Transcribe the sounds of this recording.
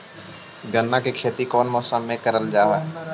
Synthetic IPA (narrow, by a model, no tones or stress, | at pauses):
ɡənːakekʰeːt̪ikɔːnmɔːsəmːẽkəɾəld͡ʒaːɦa